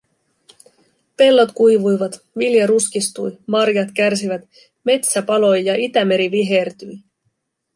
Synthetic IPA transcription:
pe̞lːo̞t̪kujʋujʋɑt̪ | ʋiljɑɾuskist̪ujmɑrjɑt̪kærs̬iʋæt̪ | me̞t̪sæpɑlo̞jjɑʔit̪æme̞ɾiʋiɦe̞rt̪yj

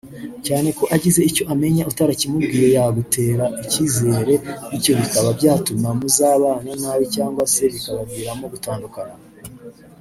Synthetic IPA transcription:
caːne̞ko̞ʔaɟize̞ico̞ʔame̞ɲaʔutaɾacimubɡiːɾe̞jaɡute̞ːɾaʔiciːze̞ːɾe̞nico̞βikaβabɟaːtumamuzaːβaːnanawicaːŋɡwase̞βikaβabɡiːɾamo̞ɡutaːndukana

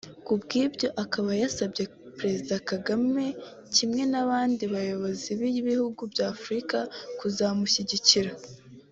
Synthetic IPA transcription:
kubɡiːbjo̞ʔakaβajasabɟe̞ | pɾe̞zidakaɡame̞ | cimŋe̞naβaːndiβajo̞βo̞ziβiβihuɡubjaːfuɾikakuzamuçiɟiciɾa

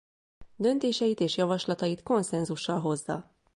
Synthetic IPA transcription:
d̪ø̞nt̪eːʃɛjit̪eːʃjɒvɒʃlɒt̪ɒjit̪ko̞nsɛnzuʃːɒlɦo̞zːɒ̰

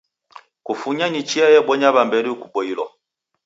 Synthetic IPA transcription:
kufuɲanit͡ʃiajɛɓɔɲabambɛɾiukuɓɔilɔ

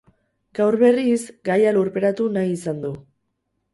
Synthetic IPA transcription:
ɡ̥awɾβe̞risɡajaluɾpe̞ɾat̪unajisand̪u

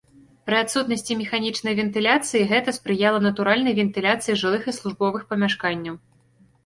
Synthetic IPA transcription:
pɾɨat̪sut̪nɐsʲt͡sʲimʲɛxanʲit͡ʂnɐjvʲɛnt̪ɨlʲat̪sɨjiɣɛt̪ɐspɾɨjalˠɐnɐt̪uɾalʲnɐjvʲɛnt̪ɨlʲat̪sɨjiʐɨlˠɨxislˠuʐbɔvɨxpɐmʲaʂkanʲːɐw

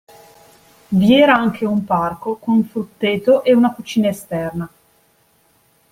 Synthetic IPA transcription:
viɛːɾaaŋkʰeumparkokonuɱfɾut̪ːeːt̪oʔeunakut͡ʃiːnaest̪ɛrna

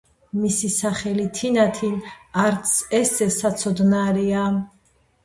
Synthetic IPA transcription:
misisaχɛlit̪ʰinat̪ʰinaɾt̪sʰɛsɛsat̪sʰɔd̪naɾia

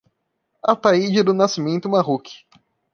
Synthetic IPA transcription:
at̪aid͡ʒɪd̪ʊnasimẽnt̪ʊmaɦukʰi̥

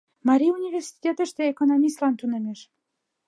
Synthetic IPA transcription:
mɑɾʲiunʲivʲersi̥t̪ʲet̪ə̆ʃt̪eekonomʲist̪lɑnt̪unɘ̆mʲeʃ

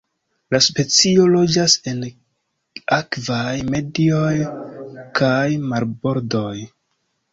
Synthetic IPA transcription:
laspe̞t͡sio̞lo̞d͡ʒase̞n | akvajme̞dio̞j | kajmaɾbo̞ɾdo̞j

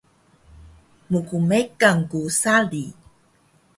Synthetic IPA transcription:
mukumekaŋkusali

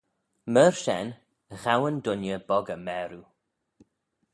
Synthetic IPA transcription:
məɹʃɛ̰n | ɣawəndʊnjəbɔɡəmɛːɾu

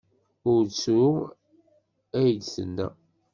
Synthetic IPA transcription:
ʊɾt͡sːu | æjədsə̰nːæ̰

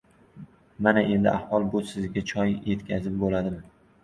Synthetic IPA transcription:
manaʔe̞nd̪ɪ̰ʔahwɒlˠbʊsɪzɡʲat͡ʃʰɒjje̞t̪kʲʰazɪp̚bolad̪ɪm

